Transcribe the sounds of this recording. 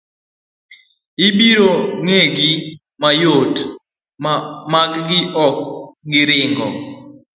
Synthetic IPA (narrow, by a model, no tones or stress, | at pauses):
ɪbiɾoŋeɡɪ | majot | makɡɪʔɔk̚ɡɪɾɪŋɡɔ